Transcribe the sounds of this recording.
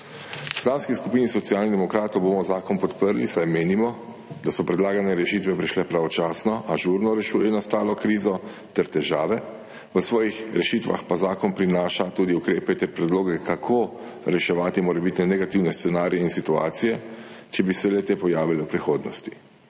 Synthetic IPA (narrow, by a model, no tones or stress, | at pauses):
slawskiskupiːnisɔt̪siaːlnid̪ɛmɔkɾaːt̪ɔwboːmɔzaːkɔnpɔt̪pəɾlisajmeːnimɔ | d̪asɔpɾɛd̪laːɡanɛɾɛʃit̪ʋɛpɾiʃlɛpɾaʋɔt͡ʃaːsnɔʔaʒuːɾnɔɾɛʃuːjɛnast̪aːlɔkɾiːzɔ | t̪ɛɾt̪ɛʒaːʋɛ | ʋəsʋɔːjixɾɛʃit̪ʋa̰xpazaːkɔnpɾinaːʃat̪uːd̪iukɾeːpɛt̪ɛɾpɾɛd̪loːɡɛkʰakʰo | ɾɛʃɛʋaːt̪imɔɾɛbit̪nɛnɛɡat̪iwnɛst̪sɛnaːɾijɛinsit̪ua̰ːt̪sijɛt͡ʃɛbisɛlɛt̪eːpɔjaːʋilɛwpɾixoːd̪nɔst̪i̥